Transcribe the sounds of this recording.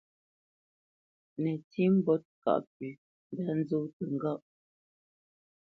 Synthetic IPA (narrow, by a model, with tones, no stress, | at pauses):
nɛ˨ti˦m̩˦bɔ˦t̚ka̰˦˨ʔp̚i˨ | n˨da˨˦n̩˦zo˦wtə˨ŋ̩˨ɡa˦ʔ